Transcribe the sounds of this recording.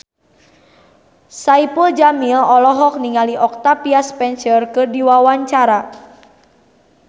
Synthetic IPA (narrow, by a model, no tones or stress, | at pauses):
saipuld͡ʒamilɔlɔɦɔk̚niŋaliʔɔk̚t̪apiaspɛnsərkɨrdiwawaɲt͡ʃaɾa